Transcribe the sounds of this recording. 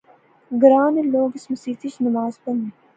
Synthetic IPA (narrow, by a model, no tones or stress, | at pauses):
ɡɾaːneloːɡɪsmɐsiːt̪iʃnɐmaːzpɐni